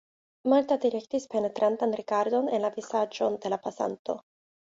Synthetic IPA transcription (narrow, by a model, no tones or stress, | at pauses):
malt̪ad̪iɾekt̪ispenet̪ɾʔant̪anrikaɾd̪onenlavisad͡ʒond̪elapasa̰nt̪o̰